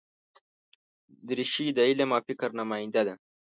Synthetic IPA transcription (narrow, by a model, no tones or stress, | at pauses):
d̪ɾiʃid̪ailemɑːfikɾnamɑːjɪnd̪ad̪a